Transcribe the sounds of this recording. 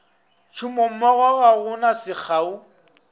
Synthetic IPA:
t͡ʃʰumom̩maɣwaɣaɣʊnasɪk͡xʰaːʊ

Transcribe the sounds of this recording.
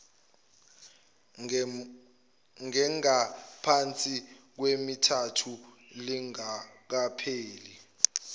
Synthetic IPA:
ŋɛŋapʰant͡sʼik̬wemitʰatʰu | liŋak̬apʰeːli

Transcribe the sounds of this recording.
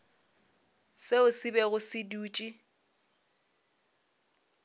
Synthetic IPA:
seʊsibɛɣʊsɪduːt͡ʃʼi

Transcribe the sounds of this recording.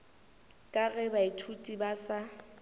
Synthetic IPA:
kʼaɣɛbaitʰutʼibasa

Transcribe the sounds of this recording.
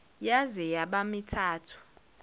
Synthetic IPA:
jazɛjaɓamitʰaːtʰu̥

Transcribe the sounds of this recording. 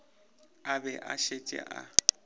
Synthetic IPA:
abɛʔaʃet͡ʃʼɛ̰ʔa

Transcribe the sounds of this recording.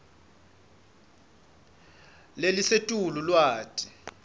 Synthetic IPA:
lelisetʼululwaːtʼi̥

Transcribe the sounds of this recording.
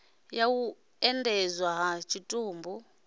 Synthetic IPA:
jawu | ɛndʱɛzwaɦat͡ʃʰitʼuːmbu

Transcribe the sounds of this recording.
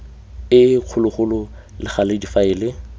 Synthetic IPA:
ɪq͡χʰʊlʊχʊlʊ | lɪχalɪdifaɪːlɪ

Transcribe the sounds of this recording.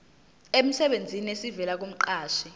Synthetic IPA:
em̩sɛɓend͡zʱinesivɛlak̬um̩ǃaːʃi

